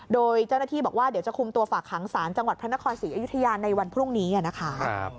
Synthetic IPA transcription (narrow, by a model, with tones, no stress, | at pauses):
doː˧jt͡ɕa˥˩naː˥˩t̪ʰiː˥˩bɔː˨˩k̚waː˥˩di˩˦wt͡ɕa˨˩kʰu˧mt̪u˧ɐfaː˨˩kʰːaː˩˦ŋsaː˩˦nt͡ɕa˧ŋwa˨˩t̪̚pʰɾa˦˥a˦˥kʰɔː˧nsiː˨˩˦ʔa˧ju˦˥t̪ʰːa˧jaː˧nːa˧jwa˧npʰɾu˥˩ŋniː˦˥a˥˨˩na˦˥kʰa˦˥